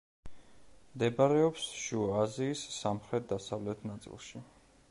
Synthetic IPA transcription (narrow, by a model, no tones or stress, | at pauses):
md̪ɛbaɾɛɔpsʃuaziːsːamχɾɛt̪̚d̪asavlɛt̪ʰnat̪sʼḭlˠʃi